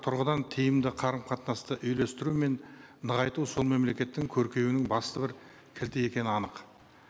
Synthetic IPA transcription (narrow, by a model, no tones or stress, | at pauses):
t̪ʰʊɾʁəd̪ɑnt̪ʰijɪmd̪ɪqʰɑɾəmqʰɑt̪nɑst̪əʔʏjle̞st̪ɪɾume̞n | nəʁɑjt̪uwso̞lˠme̞mle̞kʲe̞t̪ːɪŋkʲʰɵɾkʲe̞jwɪnɪŋbɑst̪əbɪɾ | kʲʰɪlt̪ɪje̞kʲe̞nɪɑnəq